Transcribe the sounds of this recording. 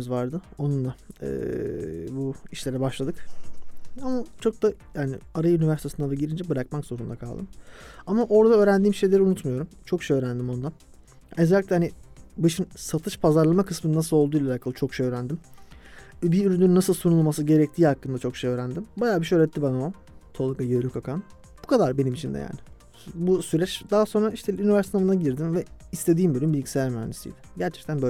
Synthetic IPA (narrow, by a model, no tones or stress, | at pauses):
izvaɾd̪ɯo̞nunlˠaɯ̰ːbuiʃlʲeɾɛbaʃlˠad̪ɯk | amat͡ʃʰo̞k̚d̪ajaːnɪ̰aɾajynivæɾsit̪esɯnad̪aɟiɾind͡ʒɛbɯɾakmakzo̞ɾund̪akʰalˠd̪ɯmamaʔo̞ɾd̪aø̞ːɾænd̪iːmʃejlʲe̞ɾiunut̪majo̞ɾumt͡ʃʰo̞kʃejø̞ːɾænd̪imo̞nd̪an | ezælʲiclʲɛhanɪbɯʃɯnsat̪ʰɯʃpʰazaɾlˠamakʰɯsmɯnɯnasɯlˠolˠd̪uːjlʲˠaakʰalˠɯt͡ʃʰo̞kʃejøːɾænd̪im | biyɾynynːasɯlˠsunulˠmasɯɟe̞ɾɛc̚t̪ʰiːhakːɯnd̪at͡ʃʰo̞kʃejøːɾænd̪imbajaːbiʃøɾɛt̪ʰːibanao | t̪ʰolˠakajeɾʲykakʰan | b̥ukʰad̪aɾbe̞nimit͡ʃʰind̪ɛ̰ja̰ːnɪ | busyɾɛt͡ʃd̪aɦaso̞nɾaiʃt̪ʰɛynivæɾst̪ʰnamɯnaɟiɾd̪imvɛist̪ʰe̞d̪iːmbølʲymbilʲɟisɛlʲæɾma̰nesḭjd̪ɪ̥ɟæɾt͡ʃʰɛ̥k̚t̪ʰænbø